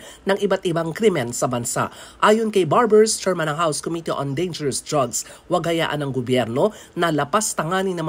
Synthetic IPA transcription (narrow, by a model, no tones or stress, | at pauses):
nɐŋʔɪbat̪ʔɪbaŋkɾimɛnsɐbɐnsa̰ʔʔaːjonkɐjbaɹbɛɹst͡ʃɛɹmɐnɐŋhawskomit̪iʔond̪ejnd͡ʒɛɹɐsd̪ɹaɡswɐɡ̚hɐja̰ːʔɐnɐŋɡobjɛɾno̞nɐlɐpast̪ɐŋaːnɪnɐm